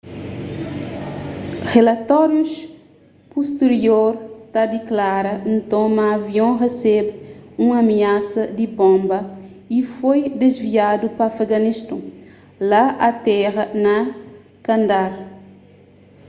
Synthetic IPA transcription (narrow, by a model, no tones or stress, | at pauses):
ʁelɐt̪ɔɾjus | puʃt̪eɾioɾt̪ad̪iklaɾɐnt̪õmɐːviõʁesɛbũŋɐmiasɐd̪ibõmbɐ | ifojd̪ezviad̪upɐfeɡɐniʃt̪õ | laʔɐt̪ɛʁɐnɐ | kɐ̃nd̪aɾ